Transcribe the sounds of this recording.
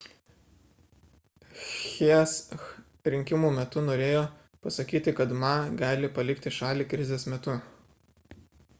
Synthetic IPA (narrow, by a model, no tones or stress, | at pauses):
xʲis | ɾʲɪŋʲkʲɪmuːmʲɛt̪ʊnoːɾʲeːjoː | pɐsɐkʲiːt̪ʲɪkɐt̪mɑɡɑːlʲɪpɐlʲɪkt̪ʲɪʃɑːlʲiːkɾʲɪzʲeːsmʲɛt̪ʊ